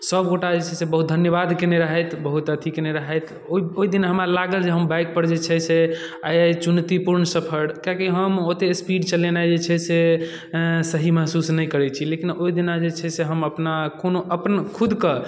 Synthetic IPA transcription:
səbɡoʈad͡ʒet͡ʃʰɛsebəɦut̪̚d̪ʱənjəβad̪keneɾəɦɛt̪ʰbəɦut̪ət̪ʰikeneɾəɦɛt̪ʰ | oioid̪inaɦəmɾalaɡəld͡ʒeɦəmbajk̚pəɾd͡ʒet͡ʃʰɛsʰe | a̰jat͡ʃunt̪ipuɾnsəpʰəɽkakiɦəmot̪espiɖt͡ʃəlenajd͡ʒet͡ʃʰɛse | səɦiməɦsusnəjkəɾɛt͡ʃʰilekinoid̪inad͡ʒet͡ʃʰɛseɦəməpnakonoʔəpnkʰud̪kə

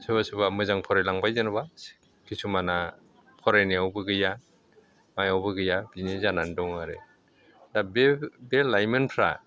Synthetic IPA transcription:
sʰɯβasɯbamɯzaŋpʰɔɾajlaŋbajzɯnba | kʰisumana | pʰɔɾajniawbɯɡɯja | majawbɯɡɯjabinizanandɔŋaɾe | dabebelajmɯnpʰɾa̰

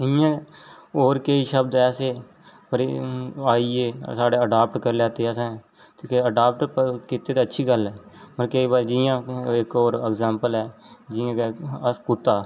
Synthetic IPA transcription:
ɪjãːoːɾkeiʃəb̚d̪ɛːseː | pəɾaːieːsaːɖeːəɖaːpʈkəɾlaːt̪eːɛːsɛ̃ː | t̪ːkeəɖaːp̚ʈpkɪt̪ːeːt̪eːətːʃʰiːɡəlɛːpəɾkeibad͡ʒɪjãːɪkoːɾɛɡzãːmpəlɛːd͡ʒɪãːkeskuːt̪ːaː

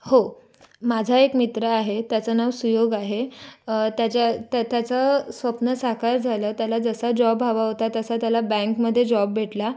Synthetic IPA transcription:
ho | mad͡zʱaekmit̪ɾəaɦet̪jat͡sanaʋsujoɡaɦe | t̪jat͡ɕat̪at̪jat͡səsʋəpnəsakaɾd͡zʱaləːt̪jalad͡zəsad͡ʑɔbʱaʋaɦot̪at̪əsat̪jalabɛ̃ŋkməd̪ʱːjed͡ʑɔbːʱeʈla

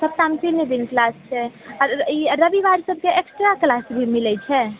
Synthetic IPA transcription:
səb̚t̪amtined̪inklast͡ʃʰɛɔɾiɾəbiʋaɾsəb̚ʱkeeksʈɾaklasbʱimilɛt͡ʃʰɛ

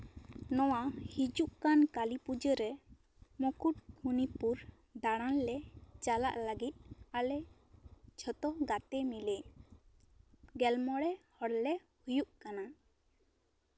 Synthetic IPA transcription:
nɔwahid͡ʒuʔkankalipud͡ʒəɾɛ | mɔkuʈ̚hunipuɾ | d̪aɽ̃anlɛt͡ʃala̰ʔləɡit̪̚ˀalɛ | t͡ʃʰɔt̪ɔɡat̪ɛmile | ɡɛlmɔɽɛhɔɽlɛ | hujuʔkana

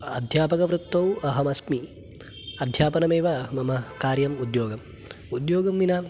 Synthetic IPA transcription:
ɐd̪ʱjaːpɐkɐʋɾut̪ːɐwɐɦɐmɐsmi | ɐd̪ʱjaːpɐnɐmeːʋɐmɐmɐkaːɾjɐmud̪joːɡɐm | ud̪joːɡɐmʋina

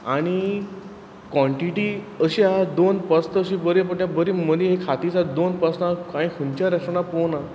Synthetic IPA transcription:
aɽ̃i | kʋɔ̃ɳʈiʈiəɕiaad̪onpəst̪əːɕibəɾip̬əɳt̪jãbəɾiməd̪ĩɦekʰat̪it͡sad̪onpəsnaaɽ̃ĩkʰunt͡ɕjaɾəʂəɽapona

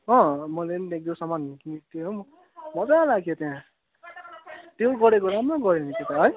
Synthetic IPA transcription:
ɦʌ̃mʌlenek̚d̪osʌmanikint̪eɦomʌ | mʌd͡zaalaɡjot̪jã | t̪eɡʌɾekoɾamrʌɡʌɾeniket̪aɦʌj

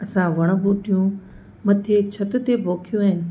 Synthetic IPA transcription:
ɐsãʋɐɽ̃ə̆buːʈijũ | mɐt̪ʰet͡ɕʰɐt̪ʊt̪ebʱoːkʰijũaːɦɪnɪ̆

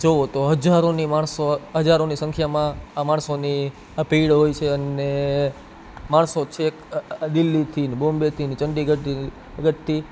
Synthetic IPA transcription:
d͡ʒoot̪oɦəd͡ʒaɾonimãɳsoɦəd͡ʒaɾonisə̃ŋkʰjamãamãɳsoni | əpiɭɦojt͡ʃʰeəne | mãɳsot͡ʃʰekd̪ɪlːit̪ʰinbombet̪ʰinit͡ʃəɳɖiɡəʈ | ɡəʈ̚t̪ʰi

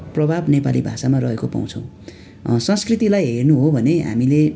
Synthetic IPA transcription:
prʌbʱabnepalibʱasamarʌɦekopa̰w̃t͡sʰʌ̰̃w̃ | sʌ̃skrit̪ilajɦernuɦobʱʌneɦa̰mile

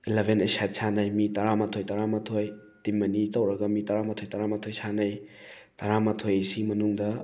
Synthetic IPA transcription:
elebʱenesatsʰanɐjmitɐɾamatʰojtaɾamatʰoj | timːɐnitɐwɾɐɡɐmitɐɾamatʰojtaɾamatʰojsʰanɐj | tɐɾamatʰojsimɐnuŋdɐ

